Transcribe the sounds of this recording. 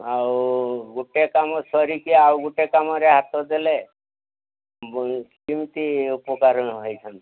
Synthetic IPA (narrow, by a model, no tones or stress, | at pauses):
awɡuʈekamɔsɔɾikiawɡuʈekamɔɾeɦat̪ʰɔd̪ele | kimt̪iupɔkaɾənɦəjt͡ʃʰant̪